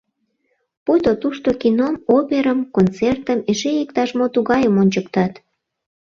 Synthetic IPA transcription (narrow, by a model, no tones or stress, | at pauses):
put̪ot̪uʃt̪okinomopeɾəmkont͡sert̪əmeʃejekt̪ɑʃmot̪uɣɑjəmonʲt͡ɕəkt̪ɑt̪